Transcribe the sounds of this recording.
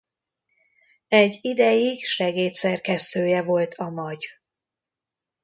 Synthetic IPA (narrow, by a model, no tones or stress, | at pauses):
ɛɟːid̪ɛjiɡʃɛɡeːt̪sɛrkɛst̪øːjɛvo̞lt̪ʰɒmɒɟ